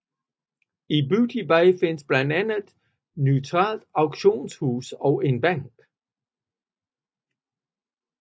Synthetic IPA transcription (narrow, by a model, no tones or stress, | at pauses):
ibudʰib̥aɪfe̝nəsb̥lænd̥ænð̩ˠ | nyʊt͡sʰʁɑ̰̈ːld̥ɑ̈ʊɡ̥ɕo̝̰ːnshuːsɒʊe̝nb̥æŋ̰ɡ̥